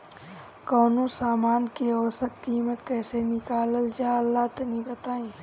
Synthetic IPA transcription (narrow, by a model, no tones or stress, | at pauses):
koːnõsaːmaːnkioːsət̪kiːmət̪kɛːsenɪkaːləld͡ʒaːəlːaːt̪enĩbət̪aːĩː